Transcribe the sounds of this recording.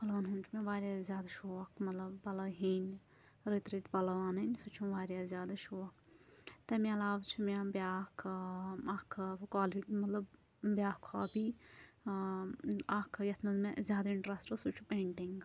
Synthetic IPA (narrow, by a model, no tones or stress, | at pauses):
pɐlʋaːnɦunt͡ʃʰumẽʋaːɾʲjaːzjaːd̪ɐʃoːɐkʰmɐt̪lɐbːɐlɐɦiːn | ɾit̪ɾit̪pɐlɐʋaːnɐnʲsut͡ʃʰumʋaːɾjaːzʲjaːd̪ɐʃoːɐkt̪ɐmiɐlaːʋt͡ʃʰumʲãbʲjaːkʰɐkʰkaːliɖmɐt̪lɐb | bjaːkʰaːbi | akʰjɐt̪ʰmɐzmezʲjaːd̪ɐiɳʈɾɐsʈosut͡ʃʰupẽːɳʈiŋɡ